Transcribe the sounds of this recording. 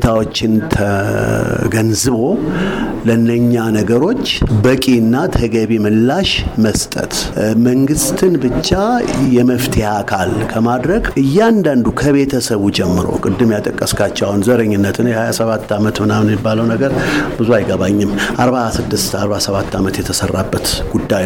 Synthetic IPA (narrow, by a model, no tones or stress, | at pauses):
t̪ʰawo̞t͡ʃːɪnt̪ʰə | ɡənzɨβo̞ | lənːəɲːanəɡəɾo̞t͡ʃːbəkʼinːat̪ʰəɡəβimɨlːaʃməst̪ʼə̰t̪məŋɡɨst̪ʰɨnbɨt͡ʃːajɛməft̪ʰihakʰalkʰəmad̪ɾəɡʔɨjːand̪and̪ukʰəβe̞t̪ʰəsəβud͡ʒɛmːɨɾo̞̰kʼɨd̪ːɨmjat̪ʼəkʼːəskʰat͡ʃːawnzəɾəɲːɪnːət̪ʰɨnjɛhajasəβat̪ːamət̪mɨnamnmibːaləwnəɡəɾbɨzuajɡəβaɲːɪmːʔaɾβasɨd̪ːɨst̪aɾβasəβat̪ʰːamət̪jɛt̪ʰəsərːa̰bːət̪ɡ̥ud̪ːaj